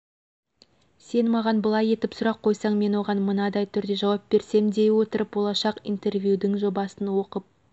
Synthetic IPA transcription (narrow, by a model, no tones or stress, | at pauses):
se̞nmɑʁɑnbəlˠɑje̞t̪ɪpsʊɾɑqʰːo̞jsɑɴme̞nwo̞ʁɑnmənɑd̪ɑjt̪ʰʏɾd̪e̞ʒɑwɑp̚b̥e̞ɾse̞md̪e̞jwo̞t̪əɾəp̚bo̞lˠɑʃɑqḭjnt̪e̞ɾvʲjud̪ɪŋʒo̞bɑsənwo̞qəp̚